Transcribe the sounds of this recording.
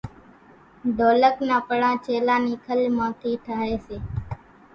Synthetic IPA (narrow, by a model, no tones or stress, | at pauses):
d̪ʱoːləknaːpəɽãːt͡ʃeːlãːniːkʰəlmãːt̪ʰiːʈʰaːɦeːseː